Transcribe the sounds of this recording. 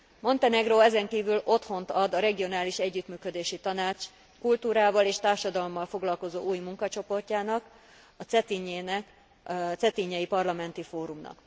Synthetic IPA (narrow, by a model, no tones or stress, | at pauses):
mo̞nt̪ɛnɛɡroːɛzɛŋkiːvylo̞t̪ho̞nt̪ɒd̪ɒɾɛɡio̞naːliʃɛɟːyt̪myːkø̞d̪eːʃit̪ɒnaːt͡ʃ | kult̪uːɾaːvɒleːʃt̪aːrʃɒd̪ɒlomːɒlfo̞ɡlɒlko̞zo̰ːʔuːjmuŋkɒt͡ʃo̞po̞rcaːnɒk | ɒt̪sɛt̪iɲeːnɛk | t̪sɛt̪iɲːɛjipɒrlɒmɛnt̪ifoːɾumnɒ̰k